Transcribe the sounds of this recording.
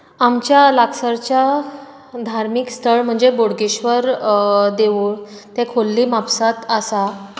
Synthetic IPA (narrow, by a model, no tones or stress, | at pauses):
amt͡ɕjalaksəɾt͡ɕja | d̪ʱaɾmikst̪ʰəɭm̤əɳd͡zeboɽɡeɕʋəɾd̪eʋut̪ẽkʰolːiːmapsat̪əsa